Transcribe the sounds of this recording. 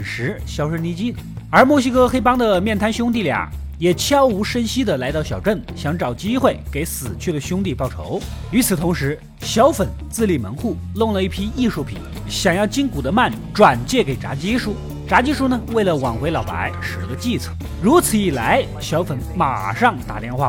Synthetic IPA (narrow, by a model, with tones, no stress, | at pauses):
nʂɻ̩˧˥ | ɕjɑ˥ʊʂə˥ŋni˧˥t͡ɕi˥˨˩ | ə˞˧˥mwɔ˥˩ʊɕi˥kʰɤ˥xe˥ɪpɑ˥ŋd̪ə˨mjɛ˥˩nt̪ʰa˥nɕjʊ˥ŋt̪̬i˥˩ljɑ̰˨˧˩ŋ | jɛ˨˩t͡ɕʰjɑ˥ʊu˧˥ʂə˥nɕi˥d̪ə˨la˧˥ɪt̪ɑ˥˩ʊɕjɑ˨˩ʊʈ͡ʂə˥˩nɕjɑ˧˥ŋʈ͡ʂɑ˨˩ʊt͡ɕi˥xwe˥˩ɪke˧˥ɪsɹ̩˨˩t͡ɕʰy˥˩d̪ə˩ɕʊ˥ŋt̪i˥˧pɑ˥˩ʊʈ͡ʂʰo̰˧˥ʊ | y˧˥t͡s̩ʰ˨˩t̪ʰʊ˧˥ŋʂɻ̩˧˥ | ɕjɑ˧˥ʊfə˨˩˦nt͡sɹ̩˥˧li˥˩mə̰˧˥nxu˥˩ | lʊ˥˩ŋlə˩i˥˩pʰi˥i˥˧ʂu˥˩pʰḭ˨˩˦n | ɕjɑ˨˩ŋjɑ˥˩ʊt͡ɕi˥nku˨˩d̪ə˦ma˥˩n | ʈ͡ʂwa˨˩nt͡ɕjɛ˥˩ke˨˩ɪʈ͡ʂa̰˧˥t͡ɕi˥ʂu˥˩ | ʈ͡ʂa˧˥t͡ɕi˥ʂu˥˩nə˨we˥˩ɪlə˩wɑ˨˩ŋxwe˧˥ɪlɑ˨˩ʊpa̰˧˥ɪʂɻ̩˨˩˧lə˧t͡ɕi˥˧t͡sʰə˨˩˦ | ɻu˧˥t͡sʰɹ̩˨˧˩i˨˩la˧˥ɪ | ɕjɑ˧˥ʊfə˧˩nma̰˨˩ʂɑ˥˩ŋt̪a̰˨˩t̪jɛ˥˧nxwa̰˥˩